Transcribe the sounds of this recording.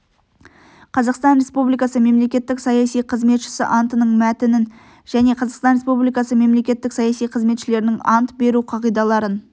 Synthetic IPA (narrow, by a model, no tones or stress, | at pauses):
qʰɑzɑqst̪ɑnɾʲe̞spublijkɑsəme̞mle̞kʲe̞t̪ːɪksɑjɑsijqʰəzme̞t̪ʃɪ̥sɪ̰ʔɑnt̪ənəɴmæt̪ɪnɪn | ʒæne̞qʰɑzɑqst̪ɑnɾʲespublijkɑsəme̞mle̞kʲe̞t̪ːɪksɑjɑsijqʰəzme̞t̪ʃɪle̞ɾɪnɪŋɑnt̪be̞ɾuqʰɑʁijd̪ɑlˠɑɾən